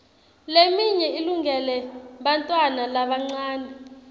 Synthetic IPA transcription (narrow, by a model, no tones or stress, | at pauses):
lemiɲɛiluŋɡɛlɛɓantʼwanalaɓaŋ͡ǀaːnʱi